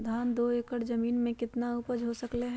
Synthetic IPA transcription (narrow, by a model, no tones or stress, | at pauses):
d̪ʱaːnd̪oːekəɽd͡ʒɐmiːnmẽkɪt̪naupəd͡ʒʱɦosəkleɦ